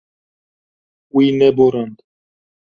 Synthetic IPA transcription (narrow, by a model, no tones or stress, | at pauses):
winɛboɾand̪